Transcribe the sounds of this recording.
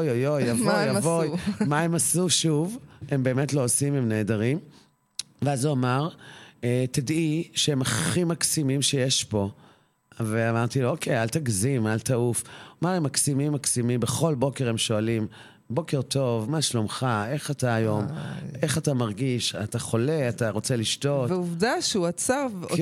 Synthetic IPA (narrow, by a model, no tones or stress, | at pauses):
ojojojavoavojmaemasuʃuvembe̞ːmetloːsimemneːdaʁim | veazuamaʁetadiʃeemaχimaksimimʃejeʃbo̞ | veamaʁt̪ilookʰejaltaɡzimaltaufmaʁemːaksimimːaksimimbeχo̞lbo̞ke̞ʁemʃo̞alim | bo̞ke̞ʁtʰo̞vmaʃlomχae̞χataːjo̞me̞χatamaʁɡiʃataχo̞le̞ataʁo̞t͡seliʃto̞tveuvdaʃuat͡saʁv